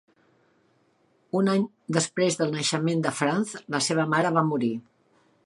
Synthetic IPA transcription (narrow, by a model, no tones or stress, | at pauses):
unaɲ | d̪əspɾezðəlˠnəʃəmend̪əfɾanzləseβəmaɾəβ̞amuɾi